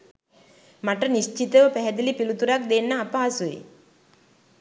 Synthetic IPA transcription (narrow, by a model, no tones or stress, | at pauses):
maʈənist͡ʃit̪əʋəpæɦɛd̪ilipilut̪uɾak̚d̪enːaːpaːsuḭ